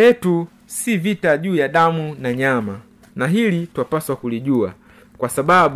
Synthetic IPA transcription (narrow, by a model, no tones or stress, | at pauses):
ɛtu | sivitaʄuːjaɗamunaɲama | naɦilitwapaswakuliʄua | kwasaɓaɓ